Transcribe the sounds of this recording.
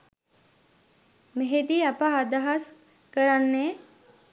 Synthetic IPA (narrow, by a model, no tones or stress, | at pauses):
meɦed̪iːapaad̪aɦas | kəɾanːe